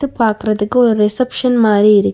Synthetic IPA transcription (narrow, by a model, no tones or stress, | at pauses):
t̪ːɯpːaːɾkɯɾɐðɯkːɯɔɾɯɾɛsɐpʂɐnmaːɾiɪɾɯkː